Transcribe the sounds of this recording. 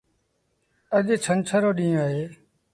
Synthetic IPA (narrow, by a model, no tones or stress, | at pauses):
əʄt͡ʃʰənt͡ʃʰəɾoːɗĩːõːɦeː